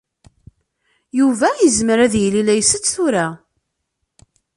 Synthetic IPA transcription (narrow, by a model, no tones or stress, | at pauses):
juvæjəzməɾæðjəlilæjsət͡sːθuɾa